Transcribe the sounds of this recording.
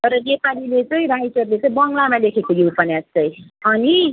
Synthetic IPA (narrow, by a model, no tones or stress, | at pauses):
t̪ʌɾʌnepalilet͡sʌĩɾajʈʌrlet͡sʌĩbʌŋɡlamalekʰekojuwpʰʌnast͡sʌjʌni